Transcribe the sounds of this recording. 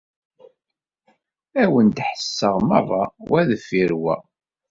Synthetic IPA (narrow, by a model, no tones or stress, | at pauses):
æwənd̪ħə̥sːəʁmɑ̰ðˤɑwæðəfiɾwæ̰